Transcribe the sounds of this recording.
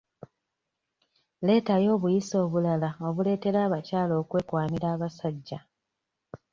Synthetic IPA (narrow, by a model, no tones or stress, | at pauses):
le̞ːtajo̞ːβujiso̞ːβulalao̞βule̞ːte̞ɾaːβacaːloːkwe̞ːkwaːniɾaːβasaɟːa